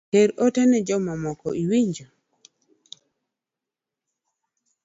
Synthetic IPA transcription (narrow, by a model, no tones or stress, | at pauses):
teɾɔtɛnɛd͡ʒɔmamɔkɔʔiwiɲd͡ʒo